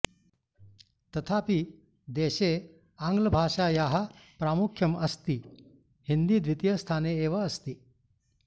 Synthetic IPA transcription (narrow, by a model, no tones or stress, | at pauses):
t̪ɐt̪ʰaːpi | d̪eːʃeː | aːŋɡlɐbʱaːʂaːjaːɦɐ̆pɾaːmukʰjɐmɐst̪i | hind̪iːd̪ʋit̪jɐst̪ʰaːneːʋɐːst̪i